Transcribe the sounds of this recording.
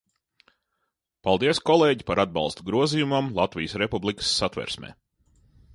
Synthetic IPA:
pɑlˠd̪iɛskɔlˠeːɟipaɾad̪̚bɑ̰lˠst̪uɡɾuɔzijumamlˠat̪vʲijəsɾepublˠikə̥sːat̪ʋɛ̰ɾsmḛː

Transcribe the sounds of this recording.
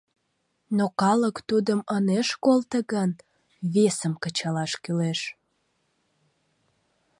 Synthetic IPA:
nokɑləkt̪ud̪əməneʃkolt̪əɣən | βesəmkət͡ɕɑlɑʃkyleʃ

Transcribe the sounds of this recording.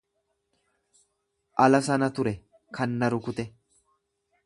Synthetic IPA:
ʔɐlɐsɐnɐt̪ʊɾɛ | kʰɐnːɐɾʊkʊt̪ɛ

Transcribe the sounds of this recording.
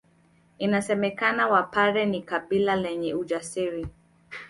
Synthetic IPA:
inasɛmɛkanawapaɾɛnikaɓilalɛɲɛud͡ʒasiɾi

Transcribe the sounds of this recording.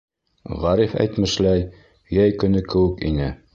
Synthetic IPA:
ʁæɾifæ̰jt̪mɘ̆ʃlæj | jæjkɵ̆nɵkɘ̆wɘkḭnɘ

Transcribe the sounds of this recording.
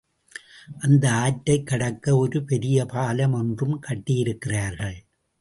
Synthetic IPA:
ʔɐnd̪ɐaːʈːɐɪkːɐɽɐkːɐɔɾɯpɛɾɪjɐpaːlɐmɔndrɯmkɐʈːɪjɪɾɯkːɪraːɾɣɐɭ

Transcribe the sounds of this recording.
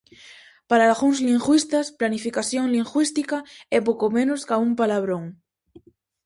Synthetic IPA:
paɾaːlɣuŋzliŋɡwist̪asplanifikaθjoŋliŋxwist̪ikaɛpokomẽnoskaumpalaβ̞ɾõŋ

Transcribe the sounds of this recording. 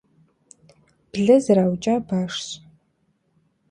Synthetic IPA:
b̥ɮɐzɨɾaːwt͡ʃʼaːbaːʂɕʼ

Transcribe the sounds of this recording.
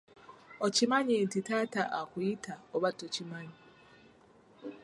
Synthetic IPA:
ɔt͡ʃimaɲen̩titataʔakuitʰaɔβatot͡ʃimaɲi

